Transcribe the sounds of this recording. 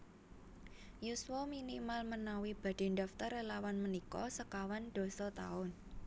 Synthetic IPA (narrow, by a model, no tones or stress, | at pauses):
juswɔminimalmənawib̥ä̤d̪̥e̤nɖaft̪ɔɾelawanmənikɔ̰səkawand̪̥o̤sɔt̪a̰ʊn